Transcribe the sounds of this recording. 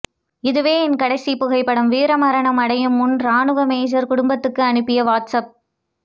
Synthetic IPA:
ɪðɯʋeːɪnkɐɽɐɪsipʊɣɐɪpːɐɽɐmʋiːɾɐmɐɾɐɳɐmɐɽɐjɯmʊnɾaːnɯʋɐmeːd͡ʒɐɾkʊɽʊmbɐt̪ːɯkːɯɐɳɯpːɪjɐʋaːʈsɐp̚

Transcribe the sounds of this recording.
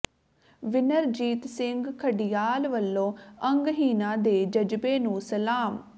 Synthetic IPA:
ʋɪnəɾd͡ʒiːt̪sɪŋɡkʰəɖijaːlʋəlːõːəŋɡɦiːnãːd̪eːd͡ʒəd͡ʒbeːnũːsəlaːm

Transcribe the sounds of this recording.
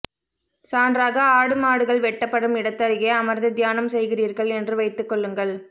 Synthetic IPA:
saːndraːɣɐaːɽɯmaːɽɯɣɐɭʋɛʈːɐpːɐɽɯmɪɽɐt̪ːɐɾɪɣeːɐmɐɾd̪ɯd̪jaːnɐmsɛjɣɪriːɾɣɐɭɛndrɯʋɐɪt̪ːɯkːɔɭːɯŋɡɐɭ

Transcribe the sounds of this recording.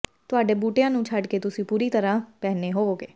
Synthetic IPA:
t̪ʊaːɖeːbuːʈejãːnũːt͡ʃʰəɖket̪ʊsĩːpuːɾiːt̪əɾãːpɛːneɦoːɡeː

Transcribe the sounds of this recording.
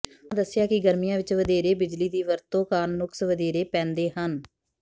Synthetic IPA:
d̪əsːɪjaːkɪɡəɾmijãːʋɪt͡ʃʋəd̪eːɾeːbɪd͡ʒliːd̪iːʋəɾt̪õːkaːnːʊksʋəd̪eːɾeːpɛ̃ːnd̪eːɦən

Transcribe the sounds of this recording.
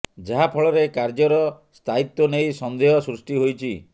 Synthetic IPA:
d͡ʒaɦapʰɔɭɔɾekaɾd͡ʒɔɾɔ | st̪ʰait̪ːɔnejsɔnd̪eɦɔsɾusʈiɦojt͡ʃʰi

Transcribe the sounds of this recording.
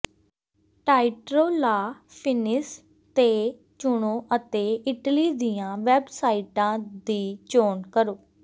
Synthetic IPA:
ʈaːɪʈɾoːlaː | pʰɪnɪs | t̪eː | t͡ʃʊɳoːʔət̪eːɪʈliːd̪ijãːʋɛːbsaːiʈãːd̪iːt͡ʃoːnkəɾoː

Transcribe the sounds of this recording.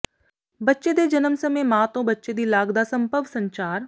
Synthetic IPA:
bɐtːʃed̪ed͡ʒɐnəmsɐmeːmaːt̪õbɐtːʃed̪iːlaːɡd̪asɐ̃mpəʋsɐ̃ɲt͡ʃaːɾ

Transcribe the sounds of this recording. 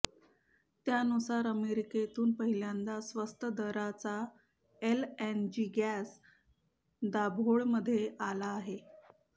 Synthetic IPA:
t̪janusaɾəmeɾiket̪uːnpəɦiljand͡z̪asʋəst̪əd̪əɾat͡sa | elend͡ʑiːɡæs | d̪abʱoɭməd̪ʱːjeʔalaːɦe

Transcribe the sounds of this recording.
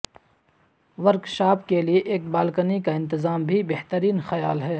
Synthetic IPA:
ʋɐɾkʃaːpkelieʔeːk̚baːlkənikaɪ̃nt̪ɪzaːmbʱibeɦt̪əɾiːnxɐjaːlɦɛː

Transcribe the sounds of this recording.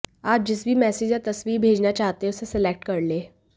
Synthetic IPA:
aːp̚d͡ʑɪsbʱiːmɛseːd͡ʒd͡ʑjat̪ɐsʋiːbʱeːd͡ʑnat͡ɕaɦt̪ẽʊsesɪlek̚ʈkəɾleː

